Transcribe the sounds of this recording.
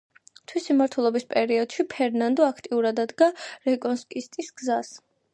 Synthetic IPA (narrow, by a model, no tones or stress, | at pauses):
t̪ʰwisimaɾt̪ʰwɛlˠɔbispʼɛɾiɔd̪̥ʃipʰɛɾnand̪ɔakʰt̪ʼiuɾad̪ad̪ɡaɾɛkʼɔnskʼist̪ʼisɡ̥zas